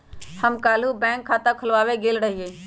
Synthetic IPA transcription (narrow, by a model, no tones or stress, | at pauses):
həmkaːl̤ubɛ̃ːŋkʰːaːt̪akʰʊlʋaːʋeɡeːlɾəɦieː